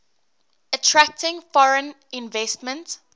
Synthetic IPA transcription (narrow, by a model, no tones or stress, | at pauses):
ətʰɹæk̚tɪ̃ŋfɔɹə̃n | ɪ̃nvɛstmə̃nt